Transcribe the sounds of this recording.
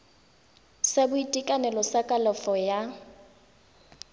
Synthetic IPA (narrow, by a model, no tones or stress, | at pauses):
sabʊitʼikʼanɛlɔsakʼalɔfɔja